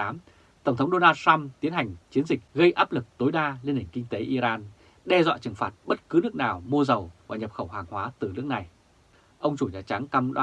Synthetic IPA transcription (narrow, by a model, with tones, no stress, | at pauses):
aː˨˦m | t̪ə˧˩wŋ͡mt̪ʰə˦wŋ͡mɗo˧naː˧ta˧mt̪i˨˦ənha˨˩jŋ̟t͡ɕi˨˦ənzï˨˩k̟̚ɣə˧jʔaː˦˥p̚lɨ˨˩k̚t̪o˨˦jɗaː˧li˧ənhï˧˩ŋ̟ki˧ŋ̟t̪e˨˦ʔi˧zaː˧n | ɗɛ˧zwa̰ː˧˨t͡ɕɨ˨˩ŋfaː˨˩t̚ɓə˦˥t̚kɨ˨˦nɨ˦˥ək̚naː˨˩wmu˧əzə˨˩wvaː˨˩ɲə˨˩p̚xə˧˩whaː˨˩ŋhwaː˨˦t̪ɨ˨˩nɨ˦˥ək̚na˨˩j | ʔə˧wŋ͡mt͡ɕu˧˩ɲa̰ː˨˩t͡ɕa˨˦ŋka˧mɗ